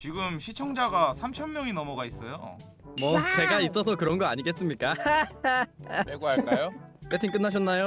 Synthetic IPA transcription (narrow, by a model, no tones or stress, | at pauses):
t͡ɕiɡɯmɕʰit͡ɕʰʌŋd͡ʑaɡasʰamt͡ɕʰʌmːjʌŋinʌmʌɡais͈ʌjo̰ | mʌt͡ɕe̞ɡais͈ʌs̬ʰʌkɯɾʌnɡʌaɲiɡe̞s͈ɯmɲik͈a | eɡoaɭ͈ajop͈etʰink͈ɯnːaɕ̬ʰʌnːajo